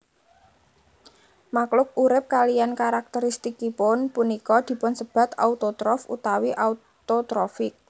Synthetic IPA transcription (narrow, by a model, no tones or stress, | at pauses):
maklʊk̚uɾɪp̚kalijankaɾak̚t̪əɾist̪ikipʊnpunikɔd̪̥i̤pʊnsəb̥a̤t̪a̰ut̪ot̪ɾɔfṵt̪awiʔau | t̪ot̪ɾɔfɪk̚